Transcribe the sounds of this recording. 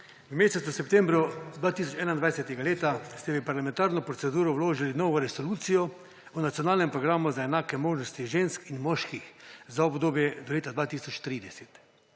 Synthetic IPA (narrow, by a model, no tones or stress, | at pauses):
ʋmeːsɛt̪susɛpt̪ɛmbɾud̪vʋaːt̪iːsɔt͡ʃɛːnaind̪ʋajsɛt̪ɛɡaleːt̪ast̪ɛʋəpaɾlamɛ̃nt̪aːɾnɔpɾɔtsɛd̪uːɾɔwloːʒilinɔːʋɔɾɛsɔluːt̪sijɔ | unat̪sijɔnaːlnɛmpɾɔɡɾaːmuzaɛnaːkɛmoːʒnɔst̪iʒeːnskinmɔːʃkixzaɔbd̪oːbjɛd̪ɔleːt̪ad̪ʋaːt̪iːsɔt͡ʃt̪ɾiːd̪ɛset̪